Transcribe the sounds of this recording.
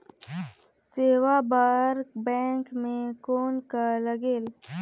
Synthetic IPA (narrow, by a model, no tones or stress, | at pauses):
seːwabaɾkbɛ̃ːŋkmẽkoːnkalɐɡeːl